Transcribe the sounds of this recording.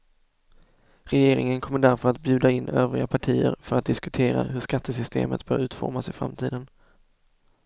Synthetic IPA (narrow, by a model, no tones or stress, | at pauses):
ɾɛjeːɾɪŋənkʰɔmːəɖæɾfœɾat̪̚bjʉ̟ːd̪aɪnːøːvɾɪɡapʰaʈʰiːəɾfœɾat̪̚d̪ɪskɵt̪ʰeːɾa̰ɦɵʂkat̪ʰːəsʏst̪ḛːmət̪b̥œːɾʉ̟ːt̪fɔ̰ɾmasɪfɾa̰mt̪ʰiːd̪ən